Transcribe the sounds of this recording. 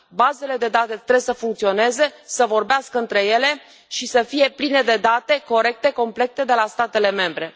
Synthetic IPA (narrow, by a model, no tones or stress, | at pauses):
baze̞le̞d̪e̞d̪at̪e̞t̪ɾesəfuŋkt̪sio̞ne̞ze̞səvo̞rbeaskəɨnt̪ɾe̞je̞le̞ | ʃisəfije̞pline̞d̪e̞d̪at̪e̞ko̞ɾe̞k̚t̪e̞ko̞mple̞k̚t̪e̞d̪e̞last̪at̪e̞le̞me̞mbɾe̞